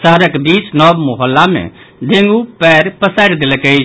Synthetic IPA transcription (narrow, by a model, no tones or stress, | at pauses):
səɦəɾəkbisnɔbmoɦəlːamḛ̃ | ɖ̪ʱẽŋɡupɛɾpəsajɾd̪eləkəɪt͡ʃʰ